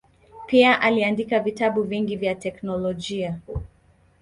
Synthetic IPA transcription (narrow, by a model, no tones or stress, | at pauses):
piaʔaliandikavitaɓuviŋɡivjatɛknɔlɔʄia